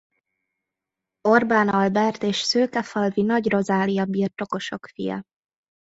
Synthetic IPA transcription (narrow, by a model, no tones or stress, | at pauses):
o̞rbaːnɒlbɛrt̪eːʃsøːlkɛfɒlvinɒɟro̞zaːlijɒbiːrt̪o̞ko̞ʃo̞kfijɒ̰